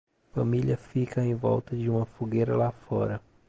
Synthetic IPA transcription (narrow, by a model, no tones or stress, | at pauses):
fɐmiliɐfikɐẽj̃vɔ̰wt̪ɐd͡ʒɪũmɐfoɡejɾɐlafɔ̰ɾɐ